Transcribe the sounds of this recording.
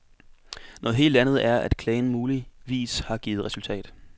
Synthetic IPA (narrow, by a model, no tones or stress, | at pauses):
nɔ̽ːð̩ˠɦe̝̰ːld̥ænð̞ˠæɐæd̥kʰlɛɪn̩muːliʋḭːshɑ̈ɡ̥iːð̞̩ˠʁɛsult͡sʰɛ̰ːd̥